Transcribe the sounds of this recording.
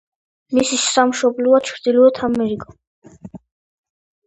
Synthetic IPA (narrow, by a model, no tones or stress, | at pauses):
misiʃamʃɔblɔat͡ʃʰɾd̪ilɔɛt̪ʰamɛɾikʼɔ